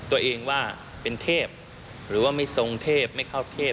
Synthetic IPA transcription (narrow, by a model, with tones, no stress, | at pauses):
t̪u˧ɐʔeː˧ŋwaː˥˩ | pe˧nt̪ʰeː˥˩p̚ | ɾɯː˩˦waː˥˩ma˥˩jso˧ŋt̪ʰeː˥˩p̚ma˥˩jkʰa˥˩wt̪ʰeː˥˩